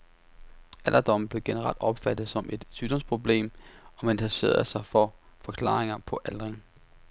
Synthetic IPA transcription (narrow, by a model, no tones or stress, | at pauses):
æl̰ɐd̥ɒ̽mb̥le̝ɡ̥e̝nəʁɑ̈l̰d̥ɒ̽b̥fæd̥ð̩ˠsɒ̽mʔe̝d̥syd̥ɒ̽mspʰʁo̝b̥le̝̰ːmɒ̽mænit͡sʰse̝̰ːɐð̩ˠsɑ̈ɪfɒfɒ̽kʰlɑ̈ːʁeŋɐpʰɒ̽ʔælʁeŋ